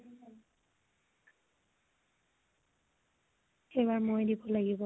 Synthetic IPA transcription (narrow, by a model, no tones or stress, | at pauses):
xejβaɹmojdibɔlaɡibɔ